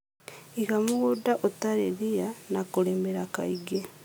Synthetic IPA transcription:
ikamuɣudaʔotaɾeɾijanakuleːmbeɾaka̰iɡe

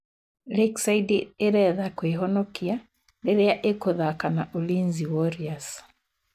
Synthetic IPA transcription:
leksaidieɾɛðakweɦɔnɔkia | ndeɾeaʔekoðakanaʔolinziwɔɾias

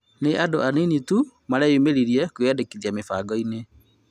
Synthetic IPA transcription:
neʔadoaninitu | maɾaumeɾiɾiɛkwɛdekiðiamefaɡɔine

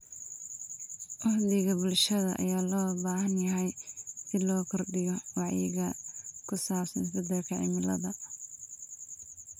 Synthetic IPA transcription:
ʔɑħd̪ɪɣɐbʊlʃɐðɐʔɐ̰jaːlɔːbaːhɐnjɐɦɛjsɪd̪lɔːkʰɔrɖɪɣɔwɑʕjɪ̰ɣɐkʰʊsaːbsɐnsɐd̪ɐlkʰɐʕɪ̰mɪlɐ̰ðɐ

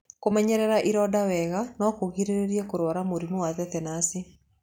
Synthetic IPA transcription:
komɛɲɛɾɛɾaʔiɾɔdawɛɣanɔkoɣiɾeɾeɾiɛkoɾwɔɾamoɾimuwaðɛθɛnasi

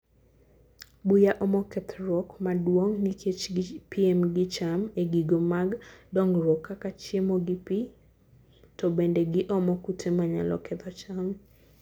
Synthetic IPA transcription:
bujaʔɔmɔkɛt̪ʰɾɔkmadwoŋnikʰet͡ʃɡpʰiɛmɡɪt͡ʃameɡiɡomaɡdɔŋrwɔkːakat͡ʃemoɡɪpi | tɔbendeɡɪʔɔmɔkutʰemaɲa̰lɔ̰kʰɛt̪ʰɔt͡ʃam

